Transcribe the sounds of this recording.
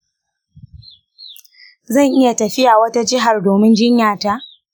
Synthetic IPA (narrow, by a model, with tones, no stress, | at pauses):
zɐ˦˨ŋʔɪ˦ja˨tɐ˨ɸɪ˦jaː˨wɐ˦ta˦d͡ʒɪ˦ɦa˨rdoː˨mɪ˦nd͡ʒɪ˦ɲjaː˨ta˦ʔ